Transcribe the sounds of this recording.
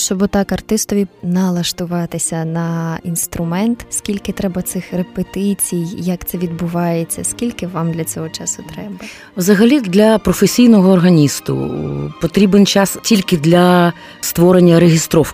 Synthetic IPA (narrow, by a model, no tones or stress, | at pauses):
ʃt͡ʃɔbʊt̪ɑkɐrt̪ɪst̪ɔʋʲinɐlˠɐʃt̪ʊʋɑt̪ɪsʲɐnɐinst̪ɾʊmɛnt̪sʲkʲilʲkɪt̪ɾɛbɐt̪sɪxrepet̪ɪt͡sʲijjɐkt̪sɛʋʲid̪̚bʊʋɑjet͡sʲːɐskʲilʲkɪʋɑmd̪lʲɐt͡sʲɔɦɔt͡ʃɑsʊt̪ɾɛbɐ | wzɐɦɐlʲid̪lʲɐpɾɔfesʲijnɔɦɔːrɦɐnʲist̪ʊ̰pɔt̪ɾʲibent͡ʃɑstʲilʲkɪd̪lʲɐ | st̪ʋɔɾenʲːɐɾeɦʲɪst̪ɾɔw